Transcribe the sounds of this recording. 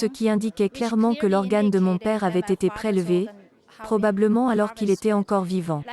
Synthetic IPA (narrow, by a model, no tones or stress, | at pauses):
səkʲiɛ̃d̪ikʲɛklɛʁmɑ̃kəlɔʁɡand̪əmɔ̃pɛʁavɛt̪et̪epχelve | pχɔbabləmɑ̃alɔʁkilet̪ɛɑ̃kɔʁvivɑ̃